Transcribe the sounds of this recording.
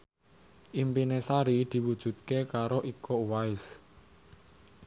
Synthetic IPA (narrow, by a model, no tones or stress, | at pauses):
ʔimpinesaɾid̪̥i̤wud̥ʒ̥ṳt̪̚kekaɾoʔikɔwaɪs